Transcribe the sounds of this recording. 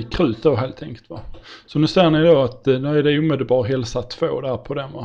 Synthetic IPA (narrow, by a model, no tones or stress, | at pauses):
kʰɾʉ̟ːt̪̚d̪oɦeːlt̪ʰːɛŋkəlt̪vasɔnʉ̟seːnɪjd̪oat̪nʉæɖɛuːmɪd̪əlbɑːɾɦɛlsat̪ʰv̥o̰ːd̪æɾpʰɔd̪ɛmva̰